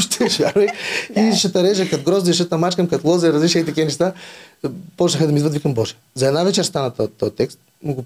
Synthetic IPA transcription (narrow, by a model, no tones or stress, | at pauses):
ʃt̪ʰɛʒaɾiiʃɐt̪ɐɾɛʒɐkɐt̪̚ɡɾɔzɐiʃət̪ɐmat͡ʃkəmkɐt̪lˠɔzɐiɾɐzliʃʲəit̪ɐkʲiɛnɛʃt̪a | pɔt͡ʃnɐxəd̪ɐmid̪vəɐd̪vikɐmbɔʒɛ̥ | zɐɛd̪navɛt͡ʃɛɾst̪anɐt̪t̪ːɔjɐt̪ːɛkst̪̚ | miɡo